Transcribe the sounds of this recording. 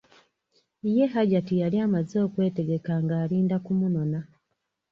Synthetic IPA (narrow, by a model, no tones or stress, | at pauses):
ije̞ɦaɟatijaliaːmazo̞ːkwe̞ːte̞ɡe̞kaŋɡaːliːndakumuno̞na